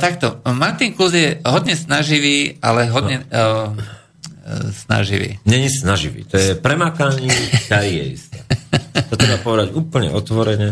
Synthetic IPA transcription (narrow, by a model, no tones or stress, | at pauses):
t̪akt̪ɔmaɾt̪iŋkluzjɛɦɔdɲɛsnaʒiʋiːa̰lɛɦɔdɲɛ | sna̰ʒiʋḭːɲɛɲisnaʒiʋḭːt̪ɔjɛpɾɛmaːkaɲitajijɛḭst̪ɛːt̪ɔt̪ɾɛbapɔʋɛd̪aɟuːpl̩ɲɛ̰ɔt̪ʋɔɾɛɲɛ